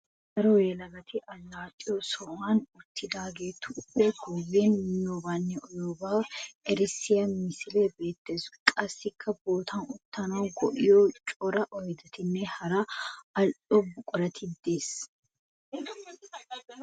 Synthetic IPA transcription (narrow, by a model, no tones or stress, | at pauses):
ɡɐɾɔweːlɐɡɐt̪ɪʔɐlːaːt̪ʼːɪjosɔʔaːnʊt̪ʰːɪd̪aːɡeːt̪ʰːʊbɛɡuwiːnmɪnːoːbaːnːɛʔɔjoːbaːwʔɛɾɪsːɪjɐnmɪsɪleːbe̞ːt̪ːeːsʊ̥kʼɐsːɪkʰːɐboːt̪ʰɐnʊt̪ːɐnɐwɡɔʔɪjoːt͡ʃʼɔɾɐʔɔjd̪ɐt̪ɪnːɛhɐɾɐɐlᶑɔbʊkʼɔɾɐt̪ʰɪd̪eːs